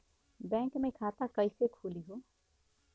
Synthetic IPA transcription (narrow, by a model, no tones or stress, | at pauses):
bɛ̃ːŋkmẽkʰaːt̪akɐisekʰuːliɦoː